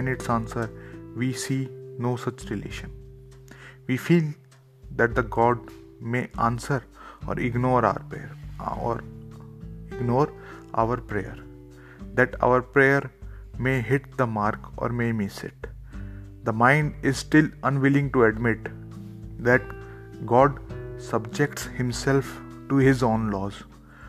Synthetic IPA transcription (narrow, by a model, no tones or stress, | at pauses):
ɛ̃nɪʈsãːnsəɾʋiːsiːnoːsʌt͡ʃɾɪlḛːʃə̃n | ʋiːfiːl | d̪æʈ̚d̪əɡɔːɖ | meːʔã̰nsəɾɔ̰ːɾɪɡnɔːɾaʊəɾpeɾɔ̰ɾ | ɪɡnɔːɾʔa̰ʊəɾpɾejə̰ɾ | d̪æʈa̰ʊəɾpɾeːjəɾ | meːɦɪʈ̚d̪əmaːɾkɔ̰ːɾmemɪsɪ̰ʈ̚ | d̪əmãɪ̃ɳɖɪzsʈɪlə̃nʋɪlɪ̃ŋɡʈuɛɖmɪʈ | d̪æʈ | ɡɔːɖsʌbd͡ʒekʈshɪ̃msɛlfʈuhɪzõːnlɔːz